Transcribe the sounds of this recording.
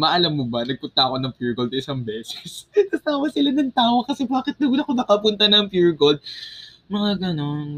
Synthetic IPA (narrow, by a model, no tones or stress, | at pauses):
mɐʔɐlamːobɐnɐɡ̚pʊnt̪ɐʔɐko̞nɐŋpjuɹɡold̪̚ʔɪsɐŋbɛːsɛ̥sɐsaːwɐsɪlanɐŋt̪aːwokɐsɛbaːkɪt̪̚nɐɡʊlɐkonɐkɐpʊnt̪ɐnɐɐŋpjuɹɡold̪̚ | mɐŋaɡɐno̞n